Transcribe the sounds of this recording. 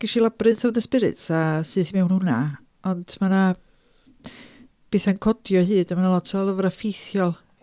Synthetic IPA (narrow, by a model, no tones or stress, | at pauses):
ɡ̥aʃilˠabrɨnθawðəspɪɾɪ̰tʰasɨːðθimɛwnhuna | ɔndmana | b̥eːθankʰɔdjɔɦɨːdamanalˠɔtʰɔlˠəvɾafejθjɔlˠ